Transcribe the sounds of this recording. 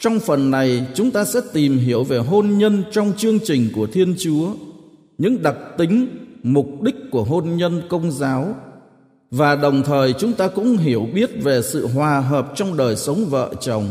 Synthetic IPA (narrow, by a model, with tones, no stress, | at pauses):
t͡ɕɔ˧wŋ͡mfə˨˩nːa˨˩jt͡ɕʊ˨˦ŋ͡mt̪aː˧sɛ̰˧˥t̪i˨˩mɦi˧˩əwve˨˩ɦo˧nɲə˧nt͡ɕɔ˧wŋ͡mt͡ɕɨ˧əŋt͡ɕï˨˩ŋ̟ku˧˩ət̪ʰi˧ənt͡ɕu˨˦ə | ɲɨ̰˧˥ŋɗa˨˩k̚t̪ï˨˦ŋ̟mʊ˨˩k͡p̚ɗï˦˥k̟̚kːu˧˩əɦo˧nɲə˧nkə˧wŋ͡mzaː˨˦w | vaː˨˩ɗə˨˩wŋ͡mt̪ʰəː˨˩jt͡ɕʊ˨˦ŋ͡mt̪aː˧kʊ̰˧˥ŋ͡mɦi˧˩əwɓi˦˥ət̚ve˨˩sɨ̰˧˨ɦwaː˨˩ɦəː˨˩p̚t͡ɕɔ˧wŋ͡mɗəː˨˩jsə˨˦wŋ͡mvə̰ː˧˨t͡ɕə˨˩wŋ͡m